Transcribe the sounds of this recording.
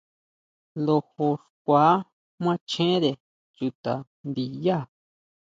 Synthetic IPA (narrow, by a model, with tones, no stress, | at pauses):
lo˧ho˧ʂkʷa˨˦ | mʷã˦t͡ʃẽ˦ɾe˨ | t͡ʃu˧t̪a˨ | nd̪i˧ja˦˨